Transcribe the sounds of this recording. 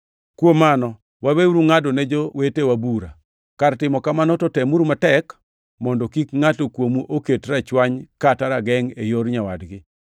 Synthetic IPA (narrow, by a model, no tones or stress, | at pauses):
kwomːanɔ | wabeuɾuŋadonɛd͡ʒowetewabuɾa̰ | kartɪmɔkamanɔtɔtemuɾumatɛk | mɔndɔkikŋatokwomuʔoketɾat͡ʃwaɲkataɾaɡɛŋejoɾɲawadɡɪ